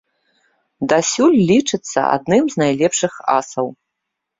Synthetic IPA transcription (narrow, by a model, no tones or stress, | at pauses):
d̪asʲulʲlʲit͡ʂɨt̪sːɐ̰a̰d̪nɨmznajlʲɛpʂɨxa̰sɐw